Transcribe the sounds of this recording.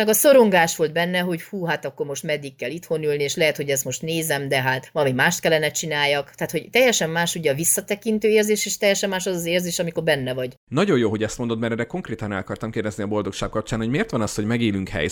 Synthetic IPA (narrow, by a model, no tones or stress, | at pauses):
nɛɡɒso̞ɾo̞ŋɡaːʃʋo̞ld̪̚bɛnːɛɦo̞ɟhuːɦat̪ɒkːo̞rmo̞ʃt̪mɛd̪ikːɛlit̪ho̞nylnieːʃlɛɦɛt̪ho̞ɟɛst̪mo̞ʃt̪neːzɛmd̪ɛɦaːt̪ʋɒlɒmimaːʃt̪kɛlːɛnɛt͡ʃinaːjːɒkt̪ɛaːt̪ho̞ɟt̪ɛjːɛʃɛmːaːʃuɟɛɒvisːɒt̪ɛkint̪øːeːrzeːʃeːʃt̪ɛjɛʃɛmːaːʃɒzɒzeːrzeːʃɒmiko̞rbɛnːɛvɒɟ | nɒɟo̞joːɦo̞ɟɛst̪mod̪ot̪mɛɾɛrɛko̞ŋkreːt̪ɒnɛ̰lkɒrt̪ɒmkeːrd̪ɛzniɒbo̞ld̪o̞kʃaːkkɒp̚t͡ʃaːnho̞ɟmeːrt̪ʋɒnɒsho̞ɟmɛɡeːlyŋkhɛ̰j